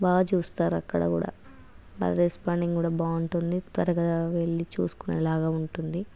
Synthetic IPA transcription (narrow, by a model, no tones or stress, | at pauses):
baːt͡ʃuːst̪aːɾuɐ̰kːɐɽɐ̰kṵːɽa̰ː | bɐ̰lɐɾespaːɳɖiŋkuːɽaːbaːuɳʈund̪it̪ʋɐɾɐkɐʋeɭːit͡ʃuːsu̥kunɛ̰laːɡaːuɳʈund̪i